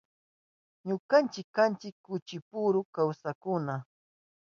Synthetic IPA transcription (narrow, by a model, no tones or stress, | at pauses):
ɲʊkant͡ʃɪkːant͡ʃɪkːʊt͡ʃɪpʊɾʊkawsakʊna